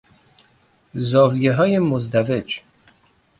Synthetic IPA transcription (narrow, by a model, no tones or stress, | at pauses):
zɒːvijeɦɒːjemozd̪æved͡ʒ